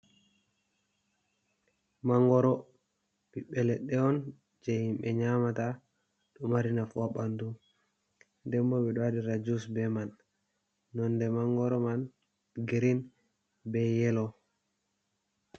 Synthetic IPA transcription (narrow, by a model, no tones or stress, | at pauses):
maŋɡɔɾɔ | biɓːɛlɛɗːɛɔn | d͡ʒɛhimɓɛɲamata | ɗɔmaɾinafɔɓantu | ndɛmbɔɓɛɗɔwadiɾad͡ʒusbɛmanː | ɔndɛmaŋɡɔɾɔman | ɡiɾin | bɛjɛlɔ